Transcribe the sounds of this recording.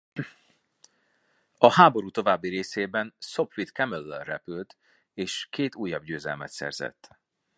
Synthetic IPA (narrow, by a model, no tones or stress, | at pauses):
ɒhaːbo̞ɾuːt̪o̞vaːbːiɾeːseːbɛnso̞pʋit̪kɛmølːɛlrɛpylt̪ | eːʃkeːt̪uːjːɒb̚ɟøːzɛ̰lmɛ̰t̪sɛ̰rzɛ̰t̪ː